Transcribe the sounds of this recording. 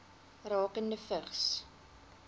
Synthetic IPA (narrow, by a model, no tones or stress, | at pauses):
rɑːkəndəfəχs